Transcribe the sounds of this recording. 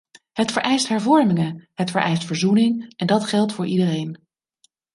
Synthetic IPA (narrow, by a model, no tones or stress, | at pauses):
ɦətfəɹʔɛjstɦɛɹvɔɹmɪŋəɦətfəɹʔɛ̰jstfəɹzunɪŋɛndɑtχɛlˠtfʊːɹʔidərejn